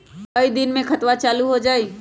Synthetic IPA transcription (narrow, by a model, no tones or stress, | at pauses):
kəid̪ɪnmẽkʰɐt̪wat͡ʃaːluɦod͡ʒaːeː